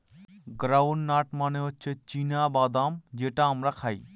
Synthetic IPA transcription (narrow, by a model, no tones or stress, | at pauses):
ɡɾaːwnɖnaːʈmaːneot͡ʃʰet͡ʃiːnaːbaːd̪aːmd͡ʒeːʈaːmɾɐkʰaːḭː